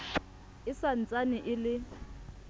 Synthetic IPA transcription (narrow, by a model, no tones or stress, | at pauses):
ɪsant͡sʼaniʔɪlɪ